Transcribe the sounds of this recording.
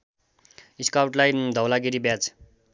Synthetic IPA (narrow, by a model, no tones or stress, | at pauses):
iskawʈlajd̪ʱʌwlaɡiɾibjad͡z